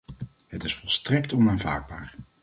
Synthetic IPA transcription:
ɦətɪsfɔlˠstrɛktɔnaːnva̰ːɹd̚baːɹ

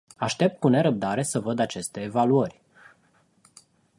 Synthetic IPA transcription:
aʃt̪e̞p̚t̪̚kune̞ɾəp̚d̪aɾe̞səvəd̪at͡ʃe̞st̪e̞ːvaluərʲ

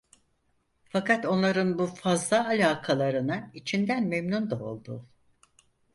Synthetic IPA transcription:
fakat̪o̞nlˠaɾɯnbufazlˠaːlʲaːkʰalˠaɾɯnait͡ʃʰind̪ænmemnund̪ao̞̰lˠd̪ṵ

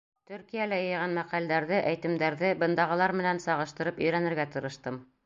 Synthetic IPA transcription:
t̪ʉ̆ɾkijælæjɤ̆jʁɑnmæqæld̪æɾðɘʔæjt̪ɘ̆md̪æɾðɘbɤ̆nd̪ɑʁɤ̆lˠɑɾmɘ̆nænsɑʁɤ̆ʃt̪ɤ̆ɾɤpɵ̆jɾænɘ̆ɾɡæt̪ɤ̆ɾɤ̆ʃt̪ɤm

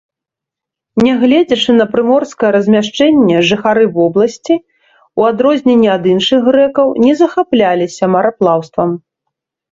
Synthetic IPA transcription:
nʲɛɣlʲɛd͡zʲɐt͡ʂɨnɐpɾɨmɔrskɐjɛɾɐzʲmʲaʂt͡ʂɛnʲːɛʐɨxaɾɨvɔblˠɐsʲt͡sʲi | uad̪ɾɔzʲnʲɛnʲːiad̪ɨnʂɨɣɣɾɛkɐwnʲɛzɐxaplʲalʲisʲɐmɐɾaplˠawst̪vɐm

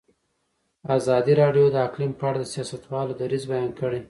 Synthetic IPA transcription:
azɑd̪iɾɑɖjod̪əaklimpəaɽad̪əsijɑsat̪wɑlod̪aɾizbajɑnkəɽe

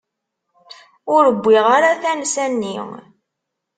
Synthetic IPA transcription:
ʊɾəbʷːiʁaɾaθænsænːiŋ

